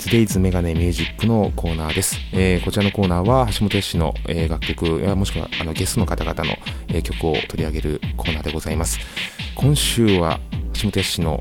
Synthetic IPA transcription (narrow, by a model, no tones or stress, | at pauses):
sɨd̪e̞izɨme̞ɡane̞mʲɨ̟ːʑikːɯ̟no̞kʰo̞ːnaːd̪e̞sɨ̥eːko̞t͡ɕiɾano̞ko̞ːnaːβahaɕimot̪ojaɕino̞̰eːɡakʲːo̞kɯ̟jamo̞ɕi̥kɯβa̰ano̞ɡe̞st̪o̞no̞kat̪aɡat̪ano̰e̞ːkʲo̞kɯ̟o̞̰t̪o̞ɾʲiaɡe̞ɾɯ̟̰kʰo̞ːnaːd̪e̞ɡo̞zaimasɨ̥kʰõ̞ɰ̃ɕɨːβa̰haɕimo̞t̪ojaɕino̞̰